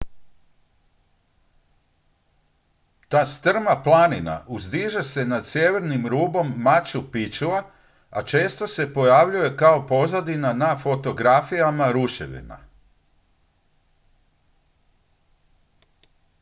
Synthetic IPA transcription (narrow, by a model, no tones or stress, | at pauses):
t̪aːst̪r̩maplˠanina̰ʔuzd̪iːʒese̞nad̪sjeʋe̞ɾnimɾuːbo̞mːat͡ɕupit͡ʃula | at͡ʃe̞ːst̪o̞se̞po̞jaʋʎuje̞kao̞po̞zad̪inanafo̞t̪o̞ɡɾafijamaɾuʃḛʋḭna̰